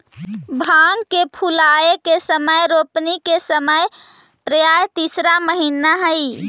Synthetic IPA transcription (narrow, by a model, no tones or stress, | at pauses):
bʱaŋɡkepʰulaekesəməjɾopnikesəməj | pɾəjajt̪isɾaməɦinaɦəj